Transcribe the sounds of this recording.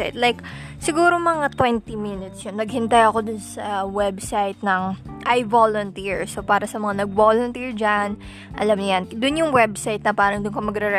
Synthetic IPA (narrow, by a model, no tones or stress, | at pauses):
t̪lajk | sɪɡuːɾomɐŋat̪wɛnt̪iminɪt̪sjonːɐɡhɪnt̪ajɐko̞d̪ʊnsɐwɛbsajt̪̚nɐŋʔajvolont̪iɹsopaːɾɐsɐmɐŋanɐɡ̚volont̪iɹd͡ʒan | ʔɐ̰lamɲʊjand̪ʊnjʊŋwɛbsajt̪̚nɐpaːɾɐŋd̪ʊnkomɐɡɾɛɾɛ